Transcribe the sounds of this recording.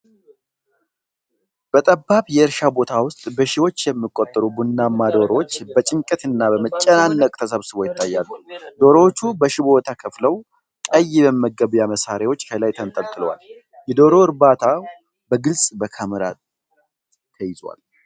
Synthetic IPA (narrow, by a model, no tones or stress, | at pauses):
b̥ət̪ʼəbːaβjɛɨɾʃabo̞t̪ʰawʊst̪ʼbəʃɪwo̞t͡ʃːjɛmːɨkʼo̞t̪ʼːəɾubunːamːad̪o̞ɾowot͡ʃːbət͡ʃʼɪŋkʼət̪ɨnːabəmət͡ʃʼːənanːəkʼt̪ʰəs̬əβsɨβo̞jɪt̪ʰːajːalːud̪o̞ɾowot͡ʃːubəʃɪbot̪ʰakʰəfləw | kʼəjːɪbəməɡːəβjaməsaɾewo̞t͡ʃːkʰəlajt̪ʰənt̪ʼəmt̪ʼːɨləwa̰l | jɛd̪o̞ɾo̞ɨɾbat̪ʰa | bəɡɨlsʼbəkʰəmɾa̰ | t̪ʰəjɪzwa̰l